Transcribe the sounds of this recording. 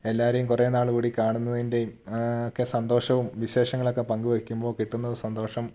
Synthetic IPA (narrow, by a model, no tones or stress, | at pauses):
e̞lːaːɐɾejumkurenaːɭukuːɽikaːɳunːɐðinde̞jumokːe̞sɐnd̪o̞ːʂɐʋumʋiɕe̞ːʂɐŋːɐɭo̞kːe̞pɐŋɡuʋɐikʲːumbo̞ːkiʈːunːɐðɨsɐnd̪o̞ːʂɐm